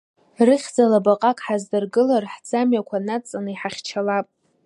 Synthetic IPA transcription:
rɨχʲd͡zalabaqʼakʼħazdɨrɡɨlarħd͡zamɥakʷʰanat͡sʼanɨiħaχʲt͡ʃʰalapʼ

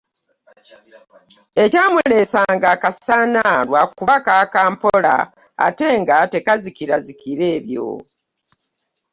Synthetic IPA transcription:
e̞caːmule̞ːsaːŋɡakasanalwakuβakakaːmpola̰ | a̰te̞ːŋɡate̞kazikiɾazikiɾe̞ːβjo̰

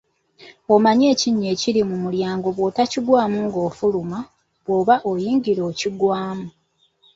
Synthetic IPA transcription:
omaɲe̞ːciɲːe̞ːciɾimumuljaːŋɡo̞βwo̞ːtaciɡwaːmuŋɡo̞ːfuluma | βwo̞ːβaʔojiːŋɟiɾo̞ːciɡwaːmu

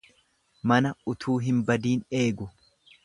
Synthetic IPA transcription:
mɐnɐʊt̪ʰuːɦɪmbɐd̪iːne̞ːɡʊ

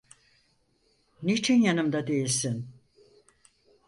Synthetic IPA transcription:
nit͡ʃʰinjanɯmd̪ad̪e̞jilʲsin

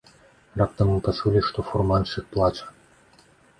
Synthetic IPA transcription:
rap̚t̪ɐmːɨpasulʲiʂt̪ɔfurmanʂɨxplˠat͡ʂɐ̥

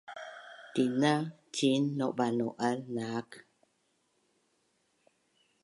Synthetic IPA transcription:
t̪inat͡ʃinːoʔbanoʔalnak

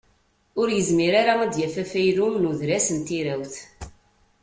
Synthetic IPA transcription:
ʊɾjəzmiɾaɾaæd̪jæfæfæjɾumnuðɾæsənt̪iɾæwθ

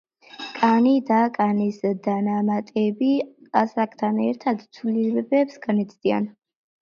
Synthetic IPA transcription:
kʼanid̪akʼanisd̪anamat̪ʼɛbiasakʼʰt̪ʰanɛɾt̪ʰad̪t̪sʰwliɾɛbɛpsɡanit̪sʰd̪̥ia̰n

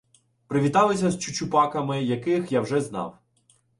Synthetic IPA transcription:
pɾɪʋʲit̪ɑlˠɪsʲɐzt͡ʃʊt͡ʃʊpɑkɐmɪjɐkɪxjawʒɛznɑ̰w

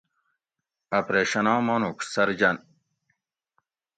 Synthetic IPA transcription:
ɐpɾeːɕɐnɑ̃ːmɑnuksɐɾd͡ʑɐn

